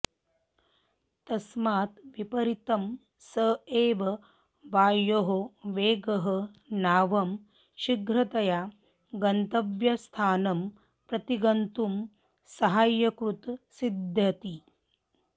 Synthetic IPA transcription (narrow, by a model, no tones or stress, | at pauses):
t̪ɐsmaːt̪ʋipɐɾit̪ɐm | sɐeːʋɐ | ʋaːjoɦoʋeːɡɐɦɐnaːʋɐm | ʃiɡʱɾɐt̪ɐjaː | ɡɐnt̪ɐbjɐst̪ʰaːnɐm | pɾɐt̪iɡɐnt̪um | sɐɦaːjːɐkɾut̪sid̪ʱjɐt̪i